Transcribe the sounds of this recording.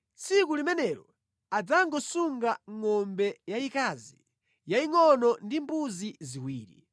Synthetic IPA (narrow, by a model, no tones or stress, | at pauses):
t͡sʰikulimɛnɛɾɔ | ad͡zaŋɡɔsuŋɡaŋɔmbɛjaikazi | jaiŋɔnɔndimbuziziwiːɾḭ